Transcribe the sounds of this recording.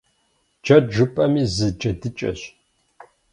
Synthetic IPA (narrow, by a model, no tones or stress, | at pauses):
d͡ʒɐd͡ʒɨpʼɐmiːzɨd͡ʒɐdɨt͡ʃʼɐ̰ɕ